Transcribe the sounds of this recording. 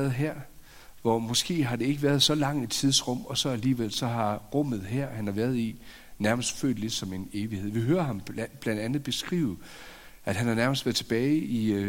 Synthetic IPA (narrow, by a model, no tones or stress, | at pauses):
ɐð̩ˠɦæɐ̰ | ʋɒmɒ̽sɡ̥e̝̰ːɦɑ̈d̥e̝e̝ɡ̥əʋæɐðˠsɒ̽lɑ̈ŋ̰i̥t͡sʰiðˠsʁɔ̽m̰ɒ̽sɒ̽æliːʋel̰sɒ̽ɦɑ̈ʁɔ̽m̰ð̞ˠɦæɐ̰hænhɑ̈ʋæːɐð̞ˠi | næɐməsd̥fø̰ːd̥le̝d̥sɒ̽me̝ne̝ːʋihe̝ð̞̰ˠʋiɦøːɐɦɑ̈mb̥lænd̥ænð̞̩ˠb̥e̝sɡ̥ʁḭːʊð̩ˠ | ʔæd̥hænhɑ̈næɐməsd̥ʋæɐt͡sʰe̝b̥ɛːɪi